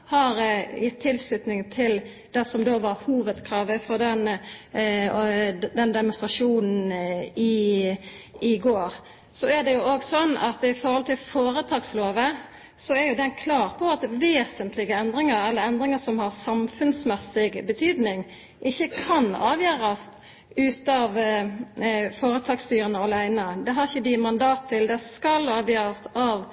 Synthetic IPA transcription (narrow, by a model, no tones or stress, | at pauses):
hɑɾjɪt̪ʰːɪlslʉt̪nɪŋt̪ʰɪl | d̪̥ɛsɔmd̪oːʋɑɾhuːʋəd̪kʰɾɑːʋəfɔd̪ɛn | d̪ɛnd̪ɛmʊnst̪ɾɑʂuːnn̩ɪ | ɪɡoːɾ | sɔæd̪ɛjʊoːɡsɔnːɑ̰t̪ɪfɔɾhɔlt̪ʰɪlfoːɾət̪ʰɑːɡsloːʋə | sɔæɾjʊd̪ɛnkʰlɑːʁpʰɔɑt̪ʋeːsənt̪lɪɡəɛnd̪ɾɪŋəɾɛlːəɾɛnd̪ɾɪŋəʂɔmhɑʁsɑmfʉnsmɛsːɪɡbət̪ʰyːd̪nɪŋ | ʔɪçːəkʰɑnɑ̰ːʋjøːɾɑst̪ | ʉːt̪ɑʋ | foːɾət̪ʰɑːɡst̪yːɾənəɑlæɪnəd̪ɛɦɑɾɪçːəd̪ɪmɑnd̪ɑːt̪t̪ʰːɪld̪ɛskɑlɑːʋjøːɾɑsɑʋ